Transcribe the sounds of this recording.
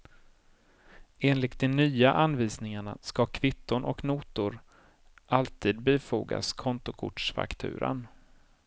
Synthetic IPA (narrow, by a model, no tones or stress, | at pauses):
eːnlɪt̪̚d̪ɛnyːaʔanviːsnɪŋaɳa̰skakʰvɪt̪ːʊɳʔɔknuːt̪ʊɾ | ʔalt̪ʰiːd̪̚beːfṵːɡa̰skʰɔnt̪ʊkʰʊ̰ʈʂfa̰kt̪ʰʉ̟̰ːɾə̰n